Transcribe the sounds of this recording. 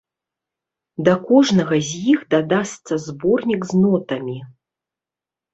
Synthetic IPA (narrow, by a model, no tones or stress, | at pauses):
d̪ɐkɔʐnɐɣɐzʲjixd̪ad̪ast̪sɐzbɔrnʲiɡznɔt̪ɐmʲi